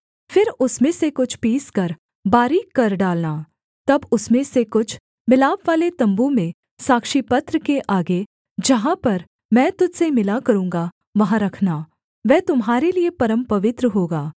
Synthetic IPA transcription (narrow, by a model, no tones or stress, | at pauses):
fɪɾʊsmẽsekʊt͡ʃʰpiːskɐɾ | baːɾikɐɾɖaːlnaː | t̪ɐbʊsmẽsekʊt͡ʃʰ | mɪlaːbʋaːlet̪ɐ̃mbũmẽ | saːkʃipɐt̪ɾəkeʔaːɡe | d͡ʒɐɦãpɐɾ | mɛ̃ːt̪ʊd͡ʒ̪semɪlakɐɾũːŋɡa | ʋɐɦãɾɐkʰnaː | ʋɛːt̪ʊmɦaːɾeliepɐɾəmpɐʋɪt̪ɾəɦoːɡaː